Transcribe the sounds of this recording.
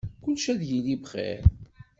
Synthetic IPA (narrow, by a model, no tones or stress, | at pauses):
kʊlʃæðjilivχɛ̰ɾ